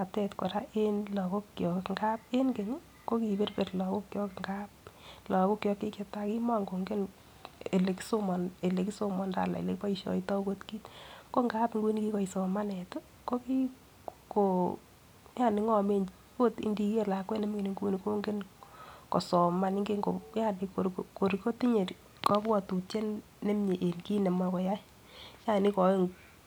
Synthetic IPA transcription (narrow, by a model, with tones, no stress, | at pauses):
a˨tɛ˨tkɔ˨ɾa˦ʔe˦nlɔ˨ko˦kːjɔ˨kkŋɡa˦p̚e˦nke˨ɲ˦ | ko˦ki˨be˦rpe˨rlɔ˨ko˦kjɔ˦kŋɡa˦p̚lɔ˨ko˦kjɔ˨˧kːe˦kje˨ta˦ki˦ma˦ŋɡo˨ŋɡe˦n | e˨le˨kso˦mɔ˨ne˨le˨ki˦so˦mɔ˨nda̰˨la̰˨ḛ˨le˨kpɔ˦iʃɔ̰˨itɔ˦ko˦tki˦tko˦ŋɡa˦pŋɡu˦ni˦ki˦kɔ˨isɔ˨ma˦nɛ˨to˦ | ko˦ki˦ | ko˨ | ja˦˨nɪ˨ŋɔ˦me˦n | ko˦tḭ˦ndi˨ke˦la˨kwɛ˦nɛ˦m˦ŋe˨ni˨ŋɡu˦ni˨ko˦ŋɡe˦nkɔ˨sɔ˨ma˦nɪ˦ŋɡe˦ŋɡo˨ja˦ni˨ko˨ɾko˨ɾiko˦ti˦ɲe˨t | kɔ˦kwa˨tu˨t͡ʃe˦nː | e˦mɲe˨ʔe˨nki˦ne˨ma˨kɔ˨ja˦ | t͡ʃa˦˨ni˦kɔ˨˦ŋ